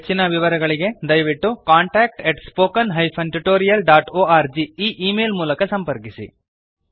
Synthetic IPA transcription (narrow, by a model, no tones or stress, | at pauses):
t͡ʃːinɐʋiʋɐɾɐɡɐɭiɡe̞d̪ɐjʋiʈːukaːɳʈaːk̚ʈeʈspoːkɐnɦɐjpʰɐnʈuʈoːɾijɐlɖaːʈoːaːɾd͡ʒiiːʔiːmeːlmuːlɐkɐsɐmpɐɾkisḭ